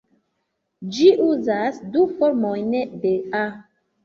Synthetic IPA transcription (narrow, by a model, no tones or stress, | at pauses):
d͡ʒiʔuzasdufoɾmojnebea